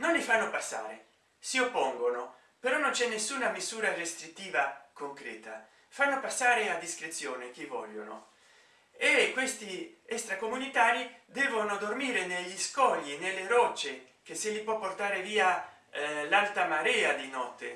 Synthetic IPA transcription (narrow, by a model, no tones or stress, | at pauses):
nonlifanːopasːa̰ːɾḛ | siopːɔŋɡono | peɾɔnont͡ʃɛnːesːuːnamisuːɾarest̪ɾit̪ːiːvakoŋkɾɛ̰ːt̪a | fanːopasːaːɾead̪ːiskɾet̪sjoːnek̟ivɔ̰ʎːo̰no̰ | ekːwest̪iɛst̪ɾakomunit̪aːɾid̪ɛːvonod̪ormiːɾeneʎːiskɔʎːinelːeɾɔt͡ʃːe | k̟eselipwɔpːort̪aːɾeviːa | lalt̪amaɾɛːad̪inɔt̪ːḛ